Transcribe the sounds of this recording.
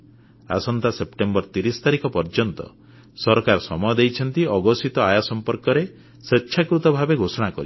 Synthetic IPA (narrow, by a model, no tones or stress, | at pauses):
a̰sɔnt̪asepʈembɔɾt̪iɾisɔ̥t̪aɾikɔpɔɾd͡ʒɔnt̪ɔ̰ | sɔɾɔkaɾɔsɔmɔjɔd̪ejt͡ʃʰɔnt̪iɔɡɔsit̪ɔajasɔmpɔɾkɔɾe | seːʃʰakɾut̪ɔbʱabeɡʱosɔɽ̃akɔɾi